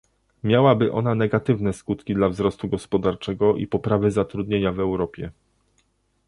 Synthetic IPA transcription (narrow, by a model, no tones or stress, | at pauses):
mʲjawabɘʔɔ̰nanɛɡat̪ɘvnɛskut̪kʲid̪lavzɾɔst̪uɡɔspɔd̪aɾt͡ʂɛɡɔʔḭpɔpɾavɘzat̪ɾud̪ɲeɲavɛwɾɔpʲjɛ